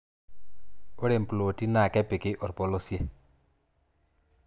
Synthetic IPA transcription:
o˦ɾe˨m̩˨plo˨ti˦na˨kɛ˦pɪ˨kɪ˦ʔɔ˨ɾpɔ˨˦lo˦sjɛ˦

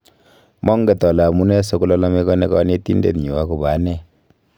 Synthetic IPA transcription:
mʔɔ˦ŋɡe˨tɔ˨lmu˦nɛ˦so˦ku˦lɔ˦la˦me˦kɔ˦ne˦kɔ˦ne˦ti˦ndḛ˨tɲu˨wa˦ku˨ba˨˦nɛ˦

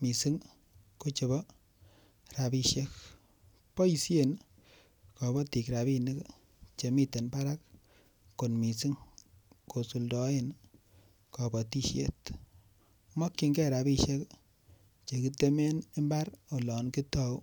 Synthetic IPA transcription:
mi˨si˦ŋ | ko˦t͡ʃe˨bɔ˦ | ɾa˨bi˧ʃe˦k | pɔ˦i˨sje˦n | kɔ˨bɔ˦ti˨kɾa˨bi˧ni˦k | t͡ʃe˨mi˦te˨npa˦ɾa˦k̚ː | o˨nmi˨si˦ŋko˨su˨ldɔ˦e˦n | kɔ˨bɔ˨ti˦ʃjḛ˦t | mɔ˦kːi˨ŋɡɛ˦ɾa˨bi˦ʃe˦k | t͡ʃe˨ki˦te˦me˦ne˦mba˦ɾo˨lɔ˨nki˦tɔ˦w

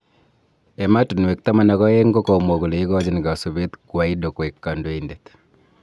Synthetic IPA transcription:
e˨ma˦tu˨n˨we˨k̚t̪a˦ma˨na˨ɣɔ˦je˦ŋɡo˦kɔ˨mɔ˨ɣu˨le˨i˦ɣɔ˦d͡ʒi˦n˨ɡa˨so˨βe˦t̪kwa˨i˦do˨kwe˨kːa˨ndwe˦indet̪

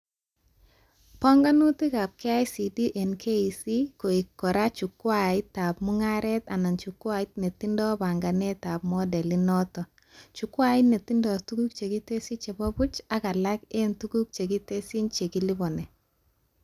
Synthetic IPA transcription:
pɔ˦ŋɡa˦nu˦tɪ˦ka˨p̚kɛ˦a˦jsi˨di˦ʔɛ˨nkʰe˦i˨si˦ko˨i˨kːɔ˨ɾa˦t͡ʃu˨kwa˨ɪ˦tːa˨p̚mu˦ŋa˦ɾɛ˦t̪a˨na˨nt͡ʃu˨kwa˦ɪ˦tne˨ti˦ndɔ˦ba˨ŋɡa˨nɛ˦ta˨pmɔ˦dɛ˨li˦nɔ˦tɔ˨ | t͡ʃu˨kwa˦ɪ˦ne˨ti˦ndɔ˨tu˦ɡu˦k̚t͡ʃe˨ɡi˦te˦si˦t͡ʃe˨bɔ˦bu˦t͡ʃa˦ka˨la˦ke˦ntu˦ɡu˦k̚t͡ʃe˨ki˦te˦si˦nt͡ʃe˨ki˦li˦bɔ˨nɛ˨

